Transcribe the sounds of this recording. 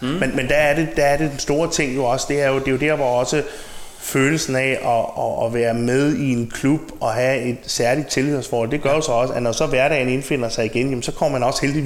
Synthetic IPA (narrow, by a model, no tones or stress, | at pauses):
menmend̥ææɐɾe̝d̥ææɐɾ̥e̝d̥ensd̥o̝ːɐt͡sʰe̝ŋ̰jo̝ɒ̽səd̥e̝æɐjo̝d̥e̝jo̝d̥eɐʋɒɒ̽sə | føːl̩sn̩æʔɒɒʋæːɐmeð̞ˠie̝nkʰlub̥ɒ̽ɦæe̝d̥sæɐlid̥̚t͡sʰe̝lið̰ˠsfɒːɒ̽l̰d̥e̝ɡ̥ɶɐjo̝sɒ̽ɒ̽səænɒsɒ̽ʋæɐɾ̥ɛɪne̝nfe̝n̰ɐsɑ̈ɪiɡ̥enjemnsɒ̽kʰɒm̰ɐmænɒ̽sə̥held̥i